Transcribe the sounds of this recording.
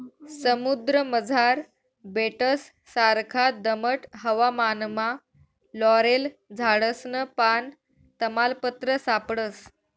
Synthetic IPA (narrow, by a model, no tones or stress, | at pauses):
səmud̪ɾəməd͡zʱaɾ | beʈəsː | aɾkʰad̪əməʈɦəʋamanma | lɔɾeld͡zʱaɽəsnəpan | t̪əmalpət̪ɾəsapɽəs